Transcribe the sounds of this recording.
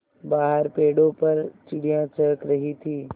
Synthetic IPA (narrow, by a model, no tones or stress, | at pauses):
baːɦəɾpeːɽõpɐɾt͡ʃɪɽijãt͡ʃɐɾəkɾɐɦit̪ʰiː